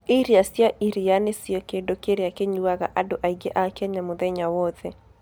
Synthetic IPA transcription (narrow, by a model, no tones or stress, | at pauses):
iɾiasjaʔiɾijanesiɔkedokeɾeakeɲuaɣa̰ʔadoʔaiɡeʔakɛɲamʊðɛɲawɔðɛ